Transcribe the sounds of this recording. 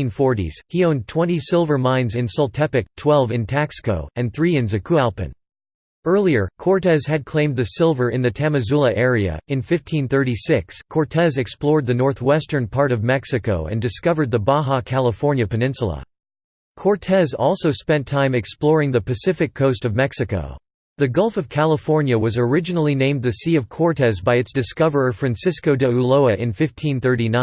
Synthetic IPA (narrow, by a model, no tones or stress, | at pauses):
nfɔɹɾḭz̥hiõʊ̃ntʰw̥ɛ̃ñisɪlˠvə˞mãɪ̃nzɨ̃nsəlˠtʰɛpɨk̚tʰw̥ɛlˠvɨ̃ntʰækskoʊɨ̃nθɹiɨ̃nzɨkʰuælˠpɨ̰̃n | ɜ˞lˠiə˞kʰɔɹtɛz̥ɨd̚kʰl̥ẽɪ̃mðɨsɪlˠvə˞ɨ̃nðɨtʰæmɨzulˠəʔɛɹiɨ̰ɨ̃nfɪftʰĩnθɜ˞ɾisɪkskʰɔɹtʰɛzɨksplɔɹd̪̚ðɨnɔɹθwɛstə̃˞npʰɑɹɾʌvmɛksɨkoʊɨ̰̃ndɨskʌvə˞d̪̚ðəbɑɦɑkʰælˠəfɔɹnjɨpɨnɪ̃nsl̩ˠə̰ | kʰɔɹtʰɛzɔlˠsoʊspɛ̃ntʰãɪ̃mɨksplɔɹɪ̃ŋðɨpɨsɪfɨkʰːoʊstʌvmɛksɨko̰ʊ | ðɨɡʌlˠfʌv̥kʰælˠəfɔɹnjɨwʌzə˞ɪd͡ʒɨnl̩ˠinẽɪ̃mðɨsiʌv̥kʰɔɹtʰɛzbaɪɨtsd̥ɨskʌvə˞ʌ̥fɹæ̃nsɪskoʊdɨuloʊɨʔɨ̃nfɪftʰĩnθɜ˞ɾinã